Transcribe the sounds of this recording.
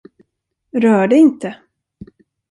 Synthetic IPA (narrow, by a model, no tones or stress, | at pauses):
ɾœːɖɛɪnt̪ə